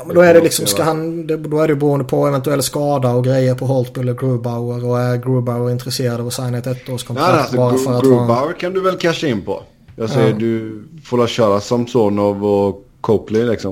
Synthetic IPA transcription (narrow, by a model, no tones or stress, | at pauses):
jmɛnd̪ɔæɖɛlɪksɔmskaɦand̪ɛd̪ɔæɖɛjʉbɛɾuːənd̪əpʰɔɛvɛnt̪ʉɛlskɑːd̪aɔɡɾɛjːəɾpʰɔɦɔlsbɪlːəɡɾʉːbaʊəɾɔæɾɡɾʉːbaʊəɾɪnt̪ɾɛseːɾad̪əɑsaɪnhet̪ɛt̪ʰːəɾɔskʰɔsɔbɑːɾfœɾat̪ːbaʊəɾkʰand̪ɵvɛlkʰæʂaɪnːpʰɔ̰ | jɑsɛəd̪ɵfoɾlaɕœːɾasɔmsɔnɑvɔkʰoplɪŋlɪksɔm